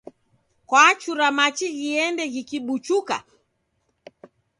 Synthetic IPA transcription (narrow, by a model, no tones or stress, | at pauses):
kwat͡ʃuɾamat͡ʃiɣiɛndɛɣikiɓut͡ʃuka̰